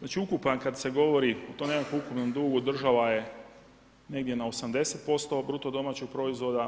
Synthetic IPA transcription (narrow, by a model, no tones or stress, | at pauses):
znaːt͡ʃiukupankad̪se̞ɡo̞ʋoɾiot̪omnekakomukupno̞md̪uːɡuod̪r̩ʒaʋaje̞ | ne̞ɡd̪je̞naosamd̪e̞set̪̚po̞st̪o̞bɾut̪od̪o̞maːt͡ɕoɡpɾo̞izʋo̞d̪a